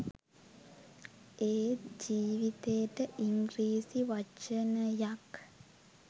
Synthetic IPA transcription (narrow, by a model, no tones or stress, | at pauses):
eːd͡ʒiːʋit̪eʈəʔiŋɡɾiːsiʋat͡ʃənəjak